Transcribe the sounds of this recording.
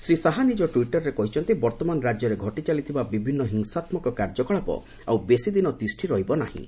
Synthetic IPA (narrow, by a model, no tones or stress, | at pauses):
sɾisaɦanid͡ʒɔʈuiʈɔɾːekɔɦit͡ʃʰɔnt̪ibɔɾt̪ɔmanɔɾad͡ʒjɔɾeɡʱɔʈit͡ʃalit̪ʰibabibʱinːɔɦiŋsat̪mɔkɔkaɾd͡ʒɔkɔɭapɔ̰ | awbesid̪inɔt̪isʈʰiɾɔɦibɔnahḭ̃